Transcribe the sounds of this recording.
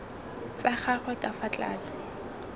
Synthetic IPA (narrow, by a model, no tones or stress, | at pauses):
t͡saχaχwɛkʼafat͡ɬʼa̰ːt͡sɪ